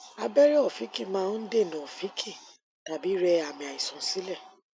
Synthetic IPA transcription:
a˧bɛ˦ɾɛ˦ɔ˦˨fi˨˦ki˦˨mãː˦˧˦n̩˦de˦˨nã˨ɔ˨fi˨˦kʰi˦˨ | ta˨bi˨˦ɾɛ˧a˨mĩ˨a˨i˨sɔ̃˨si˨˦lɛ˦˨

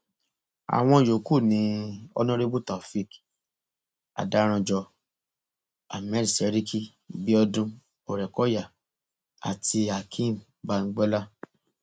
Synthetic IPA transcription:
a̰˨w̃ɔ̃˧˨jo˨ku˦˨nĩ˧˦ɔ̰˧˦nũ˦ɾe˦bu˦ta˨fi˦˨k | a̰˨da˨˦ɾ̃ã˧d͡ʒɔ˧ | a̰˨mɛ˦ɾi˨sɛ˨˦ɾi˦ki˦ | bi˦ɔ˧dũ˧ | o˨ɾɛ˨kɔ˨˦ja˦˨ | a̰˨tʰi˧a˨kʰĩ˦˨m | ba˦ŋ̩˦ɡ͡bɛ˦la˦

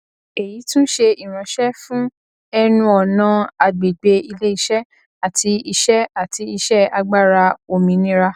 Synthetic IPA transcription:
e˨ji˨˦tũ˦ʃe˧i˨ɾ̃ã˨˦ʃɛ˦fũ˦ | ɛ˦nũ˧ɔ˨nã˨˧˦a˧ɡ͡be˨ɡ͡be˧i˧le˦i˦˧ʃɛ˦ | a˨ti˧i˧ʃɛ˦a˨ti˨˧˦i˧ʃɛ˦a˧ɡ͡ba˦˨ɾa˧o˧˨mĩ˨˦nĩ˦ɾa˦˧

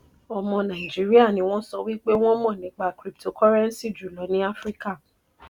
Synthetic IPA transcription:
ɔ˧mɔ̃˧nã˨i˨d͡ʒi˨˦ɾi˦a˦˨nĩ˨˦w̃ɔ̃˦sɔ˧wi˦k͡pe˦w̃ɔ̃˦mɔ̃˦˨nĩ˨˦k͡pa˨˦kɾi˦ptʰo˧kɔ˦ɾɛ̃˦n̩˦si˦˨d͡ʒu˨lɔ˨˦nĩ˦a˦fɾi˦ka˦˨

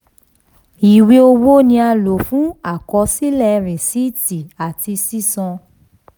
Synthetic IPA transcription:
i˨we˦o˧wo˦nĩ˧a˧lo˨fũ˦a˦˨kɔ˧˦si˦lɛ˦˨ɾĩ˨si˦˨ti˨a˨ti˧si˦sɔ̃˧

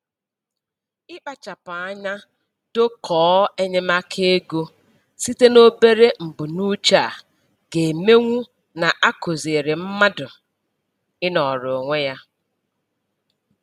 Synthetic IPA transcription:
ɪ˦k͡pa˨t͡ʃa˨pa˨a˦ɲa˦ | do˦kʰɔː˨˦e˦ɲe˦ma˦kʰe˦e˦ɡo˦ | si˦te˦no˦be˦ɾe˦m̩˨bʊ˨nu˦t͡ʃa˦˨ | ɡe˨me˦ŋʷu˦ | na˨ʔa˦ko˨ze˨ɾe˨m̩˦ma˦dʊ˨ | ɪ˦nɔ˨ɾo˨ŋʷe˦ja˦

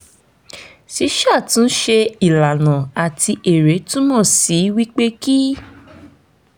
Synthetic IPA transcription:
ʃi˨˧˦ʃa˦˨tũ˨˦n̩˦ʃe˧i˨la˨nã˨a˨tʰi˧ʔe˨ɾe˨˦tũ˦mɔ̃˦˨si˨˦wi˦k͡pe˦ki˦

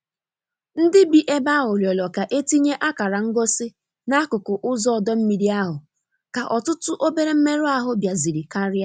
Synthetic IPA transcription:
n̩˦dɪ˦bi˨ʔe˦ba˦ʊ˨ljɔ˨lɔ˨ka˨ʔe˦ti˦ɲe˦ʔa˦ka˨ɾa˨ŋ̩˦ɡo˦sɪ˦ | na˦kʊ˨kʊ˨ʔʊ˦zɔ˦ɔ˨dɔ˦m̩˦mi˨ɾi˦a˦ɦʊ˨ | ka˨ʔɔ˨tʊ˦tʊ˦ʔo˦be˦ɾe˦m̩˦me˦ɾʊ˦a˦ɦʊ˦bja˨zi˨ɾi˨ka˦ɾɪ˦a˦

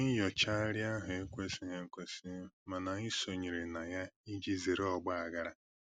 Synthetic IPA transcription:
i˦jɔ˨t͡ʃa˦ɾja˦ɦʊ˨e˦kʷe˦si˦ɦe˦kʷe˦si˦ma˨na˨i˦so˨ɲi˨ɾe˨na˨ja˦i˦d͡ʒi˦ze˨ɾe˦ɔ˨ɡ͡ba˦a˨ɡa˦ɾa˦

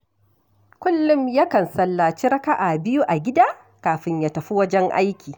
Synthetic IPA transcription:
kʷʊ˦lːʊ˦mjɐ˦kɐ˨nsɐ˦lːaː˨t͡ʃi˦ɾɐ˦ka˦ʔa˨bɪ˦ju˦ʔa˨ɡʲɪ˦daː˦ | kaː˨ɸɪ˦ɲjaː˨tɐ˨ɸi˦wɐ˦d͡ʒɛ˦ŋʔa̰˦jkʲiː˨

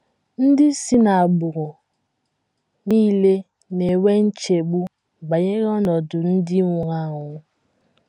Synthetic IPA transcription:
n̩˦dɪ˦si˦na˨a˨ɡ͡bʊ˨ɾʊ˨ | niː˦le˦ | ne˨we˦n̩˦t͡ʃe˨ɡ͡bu˦ | ba˨ɲe˦ɣɔ˦nɔ˨dʊ˨n̩˦dɪ˦ŋʷʊ˨ŋa˦ŋʊ˨˦

